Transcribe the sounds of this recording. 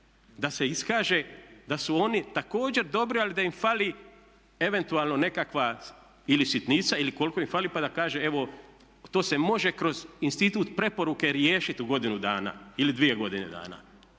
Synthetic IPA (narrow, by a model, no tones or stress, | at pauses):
d̪ase̞iskaːʒe̞d̪asuo̞nit̪ako̞ːd͡ʑe̞ɾd̪o̞bɾialid̪aimfali | e̞ʋe̞nt̪uaːlˠno̞ne̞kakʋa | ilisit̪nit̪sailiko̞lko̞imfalipad̪akaːʒee̞ʋo̞ | t̪o̞ːse̞mo̞ʒe̞kɾo̞zinst̪it̪uːt̪pɾe̞po̞ɾuke̞ɾjeːʃit̪uɡo̞d̪inud̪aːna̰ilid̪ʋie̞ɡo̞d̪inḛd̪a̰ːna̰